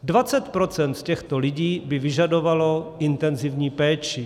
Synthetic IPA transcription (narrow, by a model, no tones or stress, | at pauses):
dvat͡sɛt̪pɾot͡sɛnt̪cɛxt̪olɪɟiːbɪvɪʒadovalo̞ʔɪnt̪ɛnzivɲiːpɛːt͡ʃɪ